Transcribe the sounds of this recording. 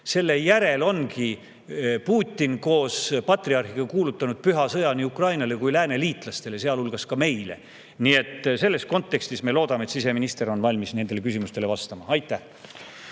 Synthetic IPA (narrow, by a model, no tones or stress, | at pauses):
se̞lːe̞jæɾe̞lo̞nki | puːt̪ʲːinko̞ːspɑt̪riɑrxiɡ̥ɑkuːlut̪ˑːɑnud̪̥̚pyɦɑsɤjɑniukrɑjnɑle̞kujlæːne̞liːt̪ˑlɑst̪e̞lese̞ɑlulɡ̥ɑskɑme̞jle̞̰ | nie̞t̪ːˑse̞lːe̞sko̞nt̪ːˑe̞kst̪isme̞lo̞ːd̪̥ɑmet̪sise̞minist̪e̞ɾo̞nvɑlʲmisne̞nd̪̥e̞le̞kysimust̪ele̞vɑst̪ɑmɑɑjt̪ːˑæh